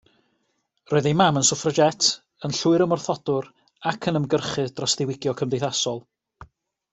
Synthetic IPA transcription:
rʔoːɨðejmamənsʊfrəd͡ʒɛtʰ | ənɬuɨɾəmɔrθɔd̥ʊr | akʰənəmɡərχɨdrɔsðɪwɪɡjɔkʰəmdejθasɔlˠ

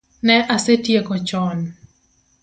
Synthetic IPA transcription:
nɛʔasetjekɔt͡ʃɔn

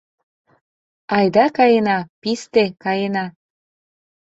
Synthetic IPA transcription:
ɑjd̪ɑkɑjenɑpist̪ekɑjenɑ

